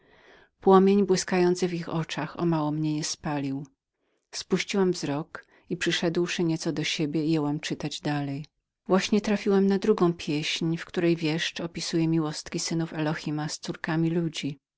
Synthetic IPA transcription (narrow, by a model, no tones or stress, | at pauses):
pwɔmʲjeɲbwɘskajɔnt̪sɨvixɔt͡ʂaxɔ̰mawɔmɲɛɲɛspalʲiw | spuɕt͡ɕiwɛmvzɾɔk | ipʂɘʂɛd̪wʂɘɲɛt̪sɔd̪ɔɕebʲjɛijɛwɛmt͡ʂɘt̪ad͡ʑd̪alɛj | vwaɕɲɛt̪ɾafʲiwɛmnad̪ɾuɡɔ̃w̃pʲjeɕɲfkt̪uɾɛjvʲjɛʂt͡ʂɔpʲisujɛmʲiwɔst̪kʲisɘnufɛlɔxʲimast̪suɾkamʲilud͡ʑi